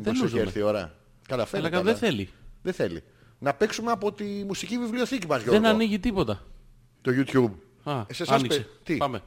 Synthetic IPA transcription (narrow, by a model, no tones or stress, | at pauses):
ðeluseɾmθio̞ɾɐ̰ | kɐlɐfelɐkɐðeθe̞liðeθelḭ | nɐpeksumeɐpo̞t̪imusicivivlio̞θicimɐzʝoðenɐniʝit̪ipo̞t̪ɐ | t̪oʝut̪çub | ɐseɐnnikset̪ipɐme